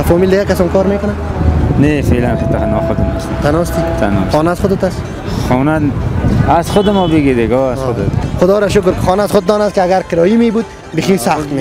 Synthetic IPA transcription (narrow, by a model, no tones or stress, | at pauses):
afɔmild̪ɪɡakasɔmkɔːɾmekʊnanefelankʰet̪ʰanɔχʊd̪ɪmɔst̪it̪ʰanɔst̪it̪ʰanɔ̰xɔːnaːzχʊd̪et̪as | χɔːna | azχʊd̪ɪmɔːbiɡid̪eɡɔːazod̪et̪χʊd̪ɔːɾaʃʊk̬ɾkɪ̥χɔːnaːzχʊd̪̚d̪ɔːnaskɪaɡaɾkɪɾɔːjimebuːd̪ | biximsaχt̪me